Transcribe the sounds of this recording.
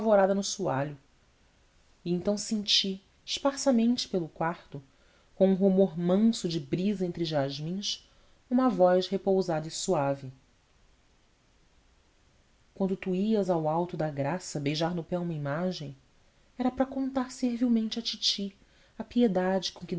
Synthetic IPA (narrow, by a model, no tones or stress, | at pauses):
avoɾad̪ɐnʊsuaʎʊ | iẽnt̪ɐ̃w̃sẽnt͡ʃi | ʃpaɾsɐmẽnt͡ʃɪ̥pelʊkwaɾt̪ʊ | kõũɦumoɾmɐ̃sʊd͡ʒɪbɾizɐẽnt̪ɾɪʊʒaʒmĩʃ | ũmɐvɔjʃhepowzad̪ɐisuavɪ | kwɐ̃nd̪ʊt̪uiɐzawawt̪ʊd̪ɐɡɾasɐbejʒaɾnʊpɛũmɐimaʒẽj̃ | ɛɾɐpɾɐkõnt̪aɾseɾviwmẽnt͡ʃɪɐt͡ʃit͡ʃi | ɐpied̪ad͡ʒɪkõkɪ